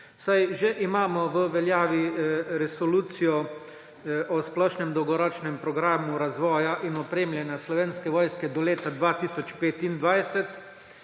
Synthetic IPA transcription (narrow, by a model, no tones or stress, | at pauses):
sajʒeʔimaːmɔʋəʋɛljaːʋiɾɛsɔluːt̪sijɔ | ʔɔsplɔːʃnɛmd̪ɔwɡɔɾɔːt͡ʃnɛmpɾɔɡɾaːmuɾazʋɔːjaʔinɔpɾeːmljɛnjaslɔʋeːnskɛʋɔːjskɛd̪ɔleːt̪ad̪ʋaːt̪iːsɔt͡ʃpeːt̪ind̪ʋajsɛt̪